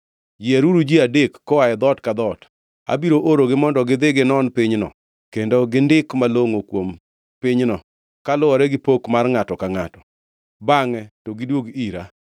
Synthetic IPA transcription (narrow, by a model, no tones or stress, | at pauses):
d͡ʒɪeɾuɾud͡ʒiadekːɔwaɛd̪ɔtkad̪ɔt | a̰biɾoʔoɾoɡɪmɔndɔɡɪd̪ɪɡɪnɔnpɪɲnɔ̰ | kendoɡɪndɪkmaloŋokwom | pɪɲnɔ | kalʊɔɾɛɡɪpokmarŋatɔkaŋatɔ̥ | baŋɛtoɡɪdwoɡiɾa